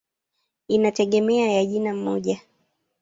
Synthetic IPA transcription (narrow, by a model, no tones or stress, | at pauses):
inatɛɠɛmɛajaʄinam̩mɔʄa